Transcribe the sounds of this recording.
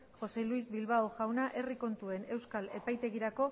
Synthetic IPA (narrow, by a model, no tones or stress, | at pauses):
xo̞se̞luizβilβaoʝawnaʔe̞riko̞nt̪ue̞ne̞wskale̞pajt̪e̞ɣiɾako̞